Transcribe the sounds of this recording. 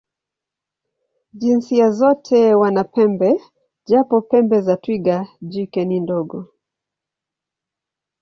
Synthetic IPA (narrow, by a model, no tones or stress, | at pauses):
ʄinsiazɔtʰɛwanapɛmbɛ | ʄapɔpɛmbɛzatwiɠaʄikɛnindɔɡɔ